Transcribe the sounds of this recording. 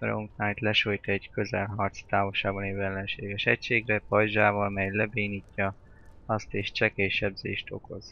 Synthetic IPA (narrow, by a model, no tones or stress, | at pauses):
ɾuŋk̪naːjt̪lɛʃojt̪ɛɟkø̞zɛlɦɒrt̪st̪aːvolʃaːbɒneːvɛlːɛnʃeːɡɛʃɛcʃeːɡrɛpɒjʒaːvolmɛjlɛbeːnicːɒ | ɒst̪eːʃt͡ʃɛkeʃɛbzḛːʃt̪o̞̰ko̞z